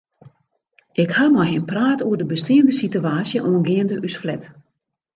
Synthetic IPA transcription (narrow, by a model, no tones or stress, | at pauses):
ʔɪkhamɔjɦɪnpraːtuərdəbəstiəndəsityaːsjəʔoənɡɪəndəʔysflɛt